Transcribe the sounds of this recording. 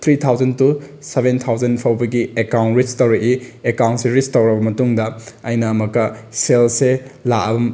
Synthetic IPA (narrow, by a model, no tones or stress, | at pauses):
t̪ʰɾit̪ʰawd͡ʒɐntusebʱentʰawzɐnpʰɐwbɐɡiekaw̃nɾit͡ʃtɐwɾɐʔiekaw̃ntsiɾistɐwɾɐbɐmɐtuŋdɐɐjnɐmɐkːɐselselaʔɐbɐ